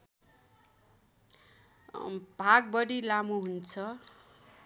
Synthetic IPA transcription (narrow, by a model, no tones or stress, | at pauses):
bʱaɡ̚bʌɽilamuɦunt͡sʰʌ